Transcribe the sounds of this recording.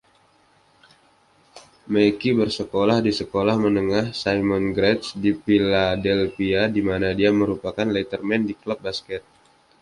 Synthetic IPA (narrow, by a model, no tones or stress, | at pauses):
mekibərsəkolahdisəkolahmənəŋahsajmɔnɡɾɛt̪̚sdipiladɛlfiadimanadiaməɾupakanlɛt̪ərmɛndiklɔp̚baskɛt̪̚